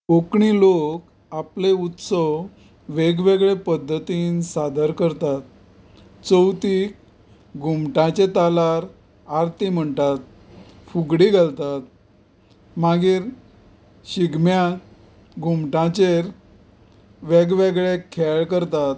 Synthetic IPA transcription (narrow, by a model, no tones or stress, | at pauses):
okɳilok | apleut̪sə | ʋeɡʋeɡɭepəd̪ʱːət̪iːnsad̪ʱəɾkəɾt̪at̪̚ | t͡səwt̪ik | ɡʱumʈãt͡ɕet̪alaɾ | aɾt̪im̤əɳt̪at̪̚ | fuɡɽiɡʱalt̪at̪ | maɡiːɾ | ɕiɡmja | ɡʱumʈãt͡ɕeɾ | ʋeɡʋeɡɭekʰːeɭkəɾt̪at̪